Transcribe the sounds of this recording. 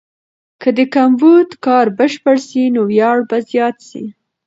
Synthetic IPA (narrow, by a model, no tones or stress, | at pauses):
kʰəd̪əkambud̪kɑɾbəʃpəɽsinowjɑɽbazjɑt̪sḭ